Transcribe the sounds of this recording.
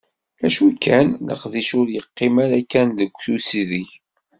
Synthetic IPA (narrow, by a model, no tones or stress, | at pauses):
æʃukːænlə̰qðiʃʊɾjəqːɪmæɾækːænðəɡʷːθusiðiç